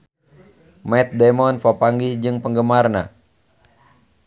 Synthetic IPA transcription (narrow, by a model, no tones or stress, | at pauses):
mɛt̪̚dɛmɔnfɔpaŋɡisd͡ʒɨŋpəŋɡəmarna̰